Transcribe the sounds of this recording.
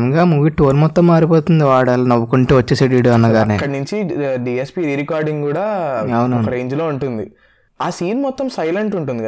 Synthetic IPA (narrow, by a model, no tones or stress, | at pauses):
ŋɡaːmuʋiʈoːlmɔt̪ːɐmːaːɾipoːt̪und̪iʋaːɽaːlnɐʋːukuɳʈeːʋɐt͡ʃːeːseɖiːɽuɐnːaɡaːɐnekːɐɽinuɲt͡ʃiɖiːespiːɾiːɾikaːɾɖiŋɡkuːɽaːɐwunɐɔwkɐɾe̞ːɲd͡ʒlo̞ːuɳʈund̪i | aːsiːnmɔt̪ːɐmsɐjleɳʈuɳʈund̪ikɐ